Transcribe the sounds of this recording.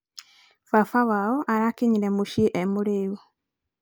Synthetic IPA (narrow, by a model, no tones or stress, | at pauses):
fafawaoʔaɾakiɲiɾemuʃiʔemuɾiːwo